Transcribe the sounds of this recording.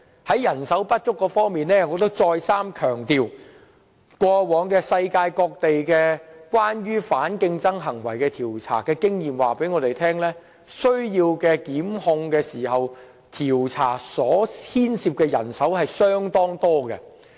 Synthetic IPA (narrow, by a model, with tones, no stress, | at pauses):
hɐ˨˥jɐ˨˩nsɐ˨˥wpɐ˥t̚t͡ʃʊ˥kːɔː˧fɔː˥ŋmiː˨nlɛː˥kɔː˧k̚t̪ɐ˥k̚t͡sɔː˧jsaː˥mkʰœː˨˩ŋt̪iː˨w | kʷɔː˧wɔː˨˧˥ŋkɛː˧sɐ˧jkaː˧jkɔː˧k̚t̪e˨jkɛː˧kwaː˥nɥyː˥faː˨˥nkɪ˧ŋt͡sɐ˥ŋɦɐ˨˩ŋwɐ̰˨˩jkɛː˧t̪ʰiː˨˩wt͡sʰa̰ː˨˩kɛː˧kɪ˥ŋjiː˨mwaː˨˩pe˨˥jŋɔː˨˧t̪e˨jt̪ʰɛː˥ŋlɛː˥ | sɵ˥ɥjiː˧wkɛː˧kiː˨˥mhʊ˧ŋkɛː˧siː˨˩hɐ˨w | t̪ʰiː˨˩wt͡sʰa̰ː˨˩sɔː˨˥hʰiː˥nsiː˧p̚kɛː˧jɐ̰˨˩nsɐ˨˥whɐ˨jsœː˥ŋt̪ɔː˥ŋt̪ɔː˥kɛ̰˧